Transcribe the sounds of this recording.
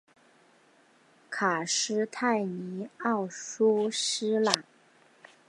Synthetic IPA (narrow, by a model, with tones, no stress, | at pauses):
kʰa˨˩ʂɻ̩˥t̪ʰa˥˩ɪni˧˥ɑ˥˩ʊʂu˥ʂɻ̩˥la˨˩˦ŋ